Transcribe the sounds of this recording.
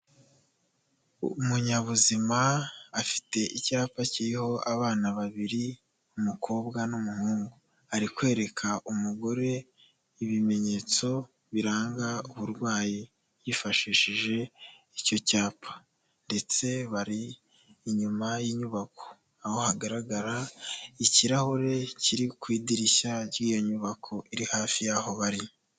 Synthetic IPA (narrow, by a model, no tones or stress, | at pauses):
muɲaβuzimaːfi̥te̞ʔicaːpaciɾiho̞ʔaβaːnaβaβiɾi | umukʰo̞ːbɡanumuhuːŋɡu | aɾikwe̞ːɾe̞kʰaʔumuɡo̞ɾe̞ | iβime̞ɲe̞ːt͡so̞ | βiɾaːŋɡauβuɾɡwaːji | jifaʃiʃiʒe̞ | ico̞caːpʰḁ | nde̞t͡se̞βaɾiː | ɲumajiːɲuβakʰo̞̥ | aho̞haɡaɾaɡaɾaiciɾahoɾe̞ciɾikwiːdiɾiʃaɾɟiːjo̞ɲuβakʰoʔiɾihaːfijaho̞βaɾi